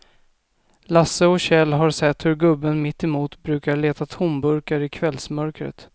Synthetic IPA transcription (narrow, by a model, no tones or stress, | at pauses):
lasːəɔɕɛlːɦaɾsɛt̪hɵɾɡɵbːənmɪt̪ːɛmuːt̪bɾʉ̟ːkaɭeːt̪at̪ʰʊmbɵɾkaɾɪkʰvɛlsmœɾkɾə̰t̪